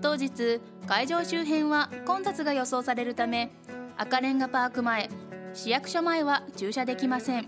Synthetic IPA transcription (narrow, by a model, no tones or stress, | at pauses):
t̪o̞ːd͡ʑit͡sɨ | kaiʑo̞ːɕɨːɦẽ̞ɰ̃βakõ̞nt̪at͡sɨɡajo̞so̞ːsaɾe̞ɾɯ̟t̪ame̞ | akaɾẽ̞ŋɡapaːkɯ̟mae̞ɕijakɯ̟̥ɕomae̞βat͡ɕɨːɕad̪e̞kʲimasẽ̞ŋ